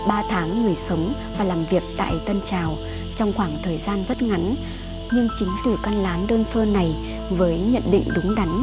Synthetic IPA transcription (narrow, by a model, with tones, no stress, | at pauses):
ɓaː˧t̪ʰaː˨˦ŋːɨ˨˩əjsə˨˦wŋ͡m | vaː˨˩laː˨˩mvi˨˩ək̚t̪a̰ː˧˨jt̪ə˧nt͡ɕaː˨˩w | t͡ɕɔ˧wŋ͡mxwaː˧˩ŋt̪ʰəː˨˩jzaː˧nzə˦˥t̚ŋa˨˦ŋ | ɲɨ˧ŋt͡ɕï˨˦ŋt̪ɨ˧˩ka˧nlaː˨˦nɗəː˧nsəː˧na˨˩j | vəː˨˦jɲə̰˧˨nɗḭ˧˨ŋ̟ɗʊ˨˦ŋ͡mɗa˨˦n